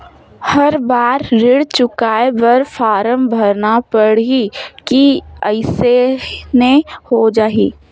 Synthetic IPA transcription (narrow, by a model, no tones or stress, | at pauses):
hɐɾbaːɾɾɪɽt͡ʃʊkaːebɐɾfʰaːɾəmbʱɐɾnapəɽ̤ikiəɪsenehod͡ʒaːɦḭː